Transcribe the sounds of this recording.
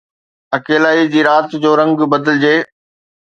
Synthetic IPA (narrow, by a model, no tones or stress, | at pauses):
ɐkeːlaːid͡ʑiːɾaːt̪d͡ʑoːɾɐ̃ŋɡbɐd̪əld͡ʑeː